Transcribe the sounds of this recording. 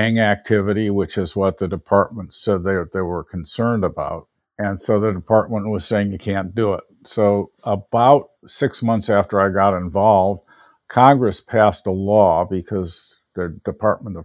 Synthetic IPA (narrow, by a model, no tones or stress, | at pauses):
æ̃ŋæk̚tʰɪvɨɾiwɨt͡ʃɨzwʌt̪̚ðɨdɨpʰɑɹt̚mə̃n̩tsɛd̪̚ðeɪðeɪwə˞kʰn̩sɜ̃˞ndəbaʊt̚ | ɨ̃nsoʊðɨdɨpʰɑɹt̚mə̃nʔwʌz̥seɪɪ̃ŋjɨkʰæ̃nd̥əɪt̚soʊ | əbaʊt̚ | sɪksmʌ̃nθsæftə˞aɪɡɑɾɨ̃ɱvɑlˠvd̥̚ | kʰɑ̃ŋɡɹɨspʰæstəlɔbɨkʰʌz | ðɨdɨpʰɑɹt̚mə̃nʌ